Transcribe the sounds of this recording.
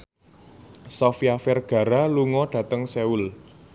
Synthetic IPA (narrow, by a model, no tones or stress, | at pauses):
sɔfiafɛrɡ̥ä̤ɾaluŋɔɖ̥ä̤t̪əŋseul